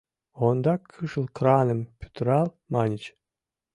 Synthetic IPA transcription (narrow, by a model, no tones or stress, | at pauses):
ond̪ɑkʰːɨʃɨlˠkɾɑnəmpʲy̥t̪ɾɑlˠ | mɑnʲit͡ɕ